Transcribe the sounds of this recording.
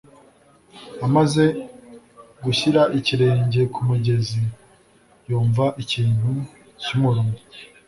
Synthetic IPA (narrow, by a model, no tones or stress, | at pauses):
amaze̞ | ɡuçiɾaʔiciɾe̞ːɲɟe̞kʰumuɟe̞zi | juːɱvaʔiciːn̥hu | cumuɾuŋu